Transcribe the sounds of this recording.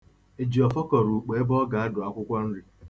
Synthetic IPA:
e˨d͡ʒi˨ɔ˨fɔ˦kɔ˨ɾu˨k͡pe˨e˦bɔ˦ɡa˨a˦ɡɔ˨a˦kʷʊ˦kʷɔ˦n̩˦ɾi˦

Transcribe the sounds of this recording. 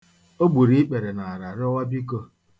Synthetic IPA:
o˦ɡ͡bu˨ɾi˦i˦k͡pe˨ɾe˨na˨a˨ɾa˨ɾɪ˦ɔ˦wa˦bi˦ko˦

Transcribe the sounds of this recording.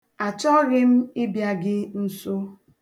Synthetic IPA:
a˨t͡ʃɔ˦ɣɪ˦m̩˦ɪ˦bja˨ɡɪ˦n̩˦sʊ˦

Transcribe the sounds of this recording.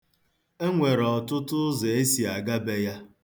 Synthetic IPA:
e˦ŋʷe˨ɾɔ˨tʊ˦tʊ˦ze˨e˦si˨a˨ɡa˦be˦ja˦

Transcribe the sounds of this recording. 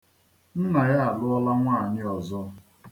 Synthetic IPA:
n̩˦na˨ja˦a˨lʊ˦ɔ˦la˦ŋʷa˦˨ɲɪ˦ɔ˨zɔ˦

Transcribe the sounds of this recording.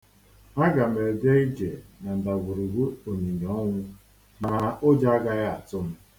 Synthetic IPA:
a˦ɡa˨m̩˨e˨de˦i˦d͡ʒe˨na˨n̩˨da˨ɡʷʊ˨ɾi˨ɡu˦o˨ɲi˨ɲe˨ɔ˦ŋʷʊ˦ | na˨˦o˦d͡ʒa˦a˦ɡa˦ɣa˨tʊ˦m̩˦

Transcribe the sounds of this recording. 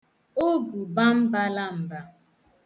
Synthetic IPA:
o˦ɡu˨ba˦m̩˦ba˦la˦m̩˨ba˦

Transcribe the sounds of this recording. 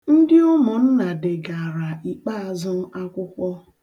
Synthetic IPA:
n̩˦dɪ˦ʊ˦mʊ˨n̩˦na˨dɪ˨ɡa˨ɾa˨i˨k͡pa˦a˨zʊ˦m̩˦a˦kʷʊ˦kʷɔ˦

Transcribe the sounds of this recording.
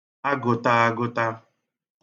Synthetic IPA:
a˦ɡʊ˨ta˦a˦ɡʊ˦ta˦

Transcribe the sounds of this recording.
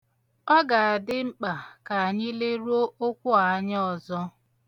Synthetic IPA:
ɔ˦ɡa˨a˨dɪ˦ŋ͡m̩˦k͡pa˨ka˨a˨ɲɪ˦le˦ɾu˦o˦ʔo˦kʷʊ˦a˨a˦ɲ˦ɔ˨zɔ˦

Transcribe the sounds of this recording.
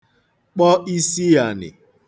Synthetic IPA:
k͡pɔ˦ʔi˦si˦ja˨nɪ̰˨

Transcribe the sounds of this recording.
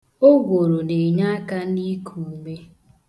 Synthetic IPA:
o˦ɡʷo˨ɾo˨ne˨ɲa˦a˦ka˦ni˦kʰu˨me˦

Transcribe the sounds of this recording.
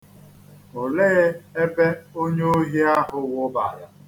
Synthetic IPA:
o˨leː˦e˦be˦o˦ɲe˦o˦ɦi˦a˦ɦʊ˦wʊ˦ba˨ja˦

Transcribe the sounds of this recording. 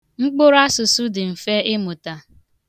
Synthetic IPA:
ŋ͡m̩˦k͡pʊ˦ɾa˦sʊ˨su˦dɪ˨m̩˨fe˦ɪ˦mʊ˨ta˨

